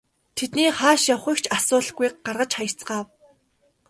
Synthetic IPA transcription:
t̪ʰet̪niːχaːʃjawχĭkt͡ɕʰasʊːɮɡujk̚ɢarʁə̆t͡ɕχajə̥̆t͡sɢaːw

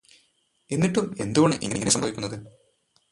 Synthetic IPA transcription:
e̞nːiʈːume̞̰nd̪uɣoɳɨʔḭŋːɐŋːɐnesɐmbʱɐʋikʲːunːɐðɨ

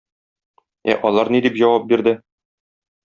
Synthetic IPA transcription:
æ̰ʔɒlˠɑɾnid̪ipʑɒwɑp̚biɾd̪ɘ

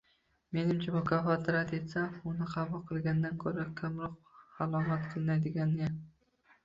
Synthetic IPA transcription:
me̞nɪmt͡ʃʰamʊkʰafɒt̪ʰɪɾat̪e̞t̪saʊnɪqʰɑbʊlˠqʰɨlˠɡʲand̪ankʰɵɾakʲʰamɾɒqːɑlˠɒmat̪qʰɨlˠɨnajd̪ɪɡʲana

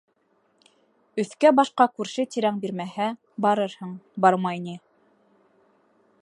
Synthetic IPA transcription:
ɵ̆θkæbɑʃqɑkʉɾʃɘt̪iɾæŋbiɾmæhæ | bɑɾɤɾhɤɴbɑɾmɑjnɘ

